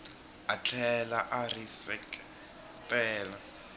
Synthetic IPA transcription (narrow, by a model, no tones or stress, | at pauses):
at͡ɬʰɛlaʔarisɛk | tʼɛːla